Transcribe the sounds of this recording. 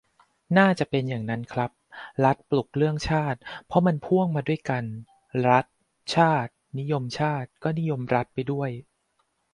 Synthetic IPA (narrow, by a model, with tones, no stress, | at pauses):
naː˥˩t͡ɕa˨˩ʔpe˧njaː˨˩ŋna˦˥nkʰɾa˦˥p̚ɾa˦˥t̪̚plu˨˩k̚ɾɯ˥˩əŋt͡ɕʰaː˥˩t̪̚pʰɔ˦˥ma˧npʰu˥˩əŋmaː˧du˥˩əjka˧n | ɾa˦˥t̪̚ | t͡ɕʰaː˥˩t̪̚ni˦˥jo˧mt͡ɕʰaː˥˩t̪̚kɔː˥˩ni˦˥jo˧mɾa˦˥t̪̚pa˧jdu˥˩əj